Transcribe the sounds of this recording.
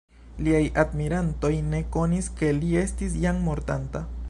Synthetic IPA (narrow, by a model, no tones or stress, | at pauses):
liajʔadmiɾanto̞jne̞ko̞niske̞lie̞stis̬jaŋmo̞ɾtanta